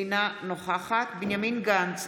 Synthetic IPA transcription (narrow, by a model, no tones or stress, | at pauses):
inanoχaχat̪binjaminɡant͡s